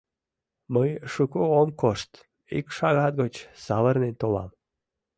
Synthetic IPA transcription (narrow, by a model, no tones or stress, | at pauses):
məjʃukoomkoʃt̪ | ikʃɑɣɑt̪̚ɡot͡ɕsɑβərnent̪olɑ̰m